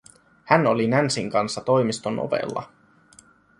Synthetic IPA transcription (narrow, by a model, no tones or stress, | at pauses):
hæno̞linænsiŋkɑnsːɑt̪o̞jmist̪onʔo̰ʋḛlːɑ̰